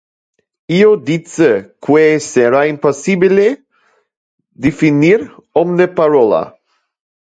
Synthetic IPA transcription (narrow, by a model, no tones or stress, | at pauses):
iod̪it͡sekweseɾaimposibile | d̪ifiniɾɔmnepaɾola̰